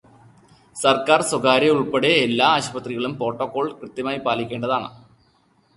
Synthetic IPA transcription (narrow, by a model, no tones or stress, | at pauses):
sɐrkaːrswoɡaːɾeuɭpeɽe̞ːlːaːɕubɐt̪riɣɐɭumpo̞ːʈːoːkːo̞ːɭkrɨt̪ːjɐmaːjipaːlikʲːe̞ːɳɖɐðaːɳɨ̰